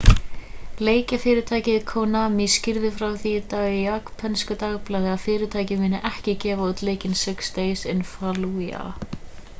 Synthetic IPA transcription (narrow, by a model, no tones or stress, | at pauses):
leːjcafɪːɾɪt̪ʰaːjcɪðkʰoːwnamiscɪɾðɪfɾawθit̪aɣɪakpʰɛnskʏt̪aɣplaːðɪaðfɪːɾɪt̪ʰaːjcɪmɪːnɪʔɛhcɪcɛːvaot̪leːjcɪnsɪkst̪eːjsɪnfaluja̰